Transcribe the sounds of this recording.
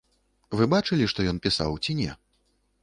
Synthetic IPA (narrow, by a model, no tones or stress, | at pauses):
vɨbat͡ʂɨlʲiʂt̪ɔjɔnpʲisa̰wt͡sʲinʲɛ̰